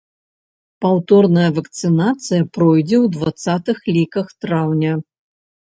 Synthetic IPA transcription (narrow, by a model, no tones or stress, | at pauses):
pawt̪ɔrnɐjɐvɐkt̪sɨnat̪sɨjɐpɾɔjd͡zʲɛwd̪vat̪sat̪ɨxlʲikɐxt̪ɾawnʲɐ